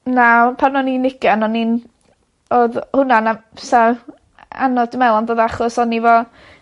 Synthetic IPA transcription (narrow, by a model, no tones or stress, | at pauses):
napʰanɔninɪɡaanɔnin | oðhʊnanasa | a̰nɔdmɛlˠɔnðoːðaχɔsɔnivɔ